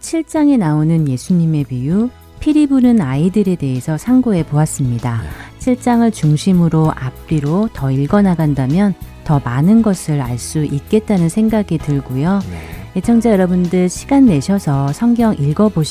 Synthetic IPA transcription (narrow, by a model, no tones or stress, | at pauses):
t͡ɕʰiɭt͡ɕ͈aŋe̞naonɯnje̞sʰuɲime̞piju | pʰiɾibunɯnaidɯɾe̞de̞ɦesʰʌsʰaŋɡoe̞poas͈ɯmɲidaɕʰiɭt͡ɕ͈aŋɯɭt͡ɕuŋɕʰimɯɾoʔap͈̚iɾotʌiɭɡʌnaɡandamjʌntʌmanɯnɡʌsʰɯɾaɭs͈uʔik̚k͈e̞t̚t͈anɯnsʰe̞ŋɡaɡitɯɭɡojoet͡ɕʰʌŋd͡ʑajʌɾʌbundɯɭɕʰi̥ɡanːe̞ɕʰʌsʰʌsʰʌŋɡjʌŋʔiɭɡʌboɕ